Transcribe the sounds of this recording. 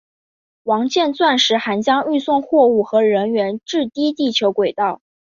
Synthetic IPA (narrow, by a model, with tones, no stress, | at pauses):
wɑ˧˥ŋt͡ɕjɛ˥˧nt͡swa˥˩nʂɻ̩˧˥xa˧˥nt͡ɕjɑ˥ŋy˥˧swʊ˥˧ŋxwɔ˥˧u˥˩xɤ˧˥ɻə˧˥nɥɛ˧˥nʈ͡ʂɻ̩˥˩t̪i˥t̪i˥˩t͡ɕʰjo˧˥ʊkwe˨˩ɪt̪ɑ˥˩ʊ